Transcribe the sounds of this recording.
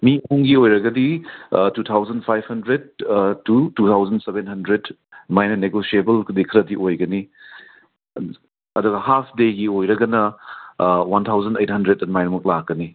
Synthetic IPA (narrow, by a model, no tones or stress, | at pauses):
mimuŋɡiojɾɐɡɐditut̪ʰawzɐnpʰajbhɐndɾed̚tutut̪ʰawzɐnsebenɦɐndɾed | majnɐneɡosiebɐlkdikʰɐɾɐdiʔojɡɐni | ɐduɡɐhapʰdeɡiojɾɐɡɐnɐ | want̪ʰawzɐndejt̚hɐndɾet̚ːɐmajnɐmɐk̚lak̚ːɐni